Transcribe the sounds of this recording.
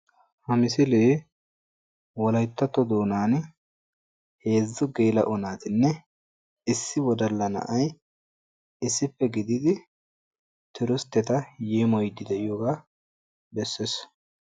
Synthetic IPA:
hɐmɪsɪleː | wɔlɐjt̪ːɐt̪ːɔd̪o̞ːnaːn | he̞ːzːʊɡeːlɐ̰ʔɔnaːt̪ɪnːɛ | ɪsːɪwɔd̪ɐlːɐnɐ̰ʔɐj | ɪsːɪpːɛɡɪd̪ɪd̪ɪ | t̪ʰɪɾʊst̪ːɛt̪ɐjeːmɔjd̪ɪd̪ɛʔɪjoːɡaː | bɛsːes

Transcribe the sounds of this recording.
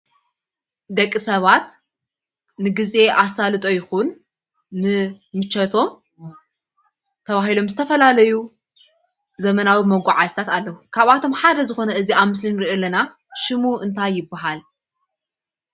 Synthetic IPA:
d̪ɐkʼːisɐβat̪ | nɨɡɨze̞ʔasalɨt̪ʼo̞jɪxunː | ɨ | mɨt͡ʃːɐt̪ʰo̞m | t̪ʰɐβaɦilo̞mzɨt̪ʰɐfɐlalɐju | zɐmɐnawimɐɡʷaʕazt̪ʰat̪alːɐwukʰaβat̪ʰo̞mħad̪ɐzɨxo̞nɐʔɨziaβmɨs̬linɨɾʔelɐna | ʃɨmuʔɨnt̪ʰajːɪbːaɦal

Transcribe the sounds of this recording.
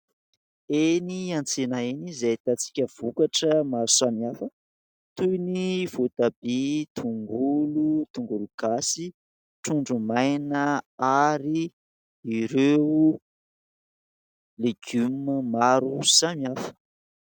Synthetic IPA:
eniãnt͡senaenizat̪at͡si̥kʲəv̥ukaʈ͡ʂəmaɾusamiafə | t̪ujniv̥ot̪abet̪ʰuŋɡulut̪uŋɡuluɡ̥asi | ʈ͡ʂuɳɖ͡ʐumajnəaɾi | iɾeu | leɡ̥ymmaɾusamiafə̥

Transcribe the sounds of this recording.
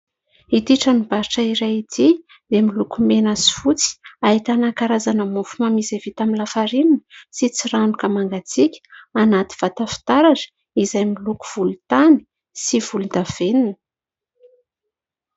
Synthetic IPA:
it̪iʈ͡ʂənib̥aɾiʈ͡ʂaiɾajit̪ʰi | d̪emilukumenasi̥fut͡si̥ait̪anakaɾazanəmufumamisevit̪amilafaɾininəsit͡siɾanukəmaŋɡat͡sikʲə̥anat̪i̥v̥at̪afi̥t̪aɾaʈ͡ʂə̥ | izajmiluku̥v̥ulut̪ani̥ | siv̥ulud̪av̥eninə̥

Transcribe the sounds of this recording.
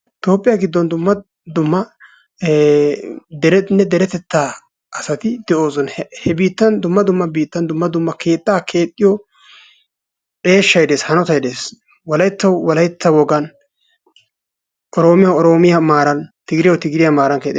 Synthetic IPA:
t̪o̞ːpʼːɪjaɡɪd̪ːɔnd̪ʊmːɐ | d̪ʊmːɐ | d̪ɛɾɛnːɛd̪ɛɾɛt̪ɛt̪ːaː | ʔɐsɐt̪ɪd̪ɛʔo̞ːzɔnhɛbiːt̪ːɐnd̪ʊmːɐd̪ʊmːɐbiːt̪ːɐnd̪ʊmːɐd̪ʊmːɐkʰe̞ːt̪ʼːaːkʰe̞ːt̪ʼːɪjɔ | pʼe̞ːʃːɐjd̪e̞ːshɐnɔt̪ɐjd̪e̞ːs | wɐlɐjt̪ːɐwwɐlɐjt̪ːɐwɔɡɐn | ʔɔɾoːmɪjɐɔɾo̞ːmɪjɐmaːɾɐnt̪ɪɡɪɾɪjɔt̪ɪɡɪɾɪjɐmaːɾɐnkeːt̪ʼːɪ

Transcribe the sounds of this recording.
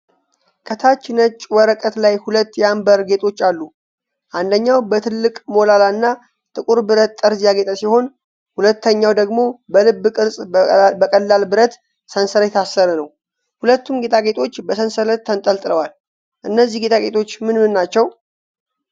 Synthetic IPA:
kʼət̪ʰat͡ʃːɪnət͡ʃʼwɔɾəkʼət̪lajhulət̪ːjambəɾɡe̞t̪ʰo̞t͡ʃːalːu | ʔand̪əɲːawbət̪ʰɨlːɨkʼmo̞lalaɨnːa | t̪ʼɨkʼuɾbɨɾət̪ːʼəɾzjaɡet̪ʼəsiho̞n | hulət̪ːəɲːawd̪əɡmo̞bəlɨbːɨkʼɨɾsʼbəkʼəlːalbɨɾət̪ | sənsəɾəjɛt̪ʰasːəɾənəw | hulət̪ːumɡe̞t̪ʰaɡe̞t̪ʰo̞t͡ʃːbəsənsələtt̪ʰːənt̪ʼəlt̪ʼɨləwal | ʔɨnːəzːihɡe̞t̪ʰaɡe̞t̪ʰo̞t͡ʃːmɨnmɨnːat͡ʃːɛw

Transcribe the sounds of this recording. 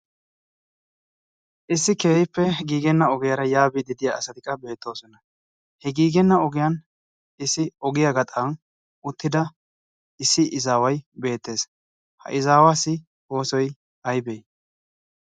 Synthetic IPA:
ʔɪsːɪkeːjɪpːɛɡiːɡɛnːɐɔɡɪjɐɾɐjaːbɪd̪ɪd̪ɪjaɐsɐt̪ɪkʼːɐbe̞ːt̪ːo̞ːsɔnɐ | hɛɡiːɡɛnːɐɔɡɪjan | ɪsːɪɔɡɪjaɡɐt̪ʼan | ʊt̪ːɪd̪ɐ | ɪsːɪʔɪzaːwɐjbe̞ːt̪ːe̞ːs | hɐ̰ʔɪzaːwaːsːɪ | wo̞ːsɔj | ɐjbej

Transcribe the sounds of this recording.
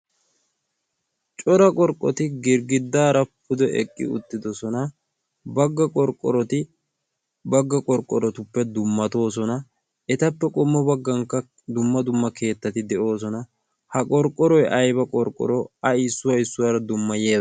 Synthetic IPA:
t͡ʃʼɔɾɐkʼɔɾkʼːɔt̪ɪɡɪɾɡɪd̪ːaːɾɐpʰʊd̪ɔʔɛ̰kʼːɪ̰ʊ̰t̪ːɪd̪ɔsɔnɐ | bɐɡːɐkʼɔɾkʼːɔɾɔt̪ɪ | bɐɡːɐkʼɔɾkʼːɔɾɔt̪ʊpːɛd̪ʊmːɐt̪o̞ːs̬ɔnɐ | ɛt̪ɐpːɛkʼʊmːɔbɐɡːɐŋkːɐ | d̪ʊmːɐd̪ʊmːɐke̞ːt̪ːɐt̪ɪd̪ɛʔo̞ːs̬ɔnɐ | hɐkʼɔɾkʼːɔɾɔjʔɐjbɐkʼɔɾkʼːɔ̰ɾɔɐɪsːʊwɐɪsːʊwaːɾɐd̪ʊmːɐje̞ːd̪

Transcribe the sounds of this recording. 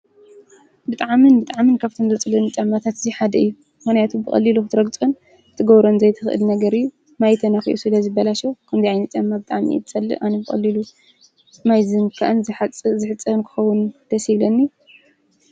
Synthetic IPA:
bɨt̪ʼaʕmɨnbɨt̪ʼaʕmɨnkʰaβt̪ʰomzɐt͡sʼɨlɐnɨt͡ʃʼamːat̪ʰat̪ɨziħad̪ɐɨjːu | mɨnajat̪ʰubɨxʼɐ̰lːiluxɨt̪ʰɨɾɐɡt͡sʼun | t̪ʰɨɡɐβɾonzɐjt̪ʰɨxʔɨ̰lnɐɡɐɾɨjːu | majt̪ʰɐnɐxḭʔusɨlɐzɨbːɐlaʃokʰɐmzijʕajnɐt͡ʃ̪ʼamːabɨt̪ʼaʕmḭt̪ʰɨt͡sʼɐlːɨ̰ʔʔanɐbɨxʼɐ̰lːilu | majzɨnkʰa̰ʔɨnzħat͡sʼzɨħɨt͡sʼːɐnkʰɨ̥xɐwʊnd̪̥ʰɐshiβlɐnːi

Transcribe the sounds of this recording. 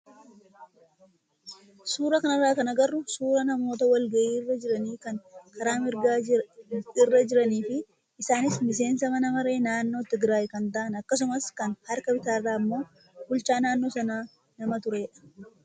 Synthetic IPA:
suːɾɐkɐnɐrːaːkɐnɐɡɐrːʊsuːɾɐnɐmo̞ːt̪̬ɐwɐlɡɐʔiːrːɐd͡ʒɪɾɐniːkɐŋkʰɐɾaːmɪɾɡaː | ɪrːɐd͡ʒɪɾɐniːfɪː | saːnɪsmɪs̬e̞ːnsɐmɐnɐmɐɾe̞ːnaːnːo̞ːt̪ɪɡɾaːjɪkɐnt̪ɐʔɐnɐkːɐs̬ʊmɐskɐnhɐɾkɐbɪt̪aːrːaːmːo̞ː | bʊlt͡ʃaːnaːnːo̞ːsɐnaː | nɐmɐt̪ʊɾeːᶑɐ̥

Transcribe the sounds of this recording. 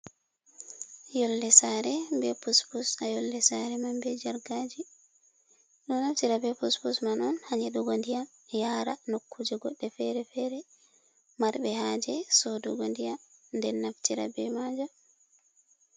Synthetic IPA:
jɔlːɛsaɾɛmbɛpuspusajɔlːɛsaɾɛmambɛd͡ʒaɾɡad͡ʒi | ɗɔnaftiɾabɛpuspusmanɔnhaɲɛɗuɡondija | jaːɾanokʰːud͡ʒɛɡɔɗːɛfɛɾɛfɛɾɛ | maɾbɛhad͡ʒɛsɔduɡondijandɛnːaftiɾa̰bɛmad͡ʒa

